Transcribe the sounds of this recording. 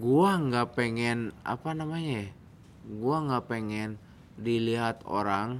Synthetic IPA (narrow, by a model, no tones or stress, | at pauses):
ɡuaŋɡapɛŋɛna̰panamaɲa | ɡuaŋɡapɛŋɛn | diliɦat̪o̰ɾaŋ